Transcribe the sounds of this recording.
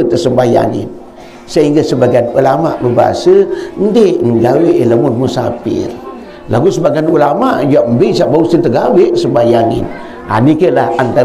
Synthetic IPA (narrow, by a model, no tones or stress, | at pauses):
ət̪əsəmbaja̰ŋḭn | səɦiŋɡasəbaɡajnulamaʔbəbaa̰sən̩deʔŋɡaweʔeləmunmusa̰pḭl | laɡusəbaɡajnulamaʔd͡ʒuaʔmbəsaʔbausənt̪əɡaweʔsəmbajaŋḭn | a̰nikəlaant̪a